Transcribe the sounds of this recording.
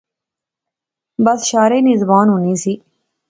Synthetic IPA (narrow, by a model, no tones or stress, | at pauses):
bəsʃaːɾeːnɪzbaːnɦʊniːsiː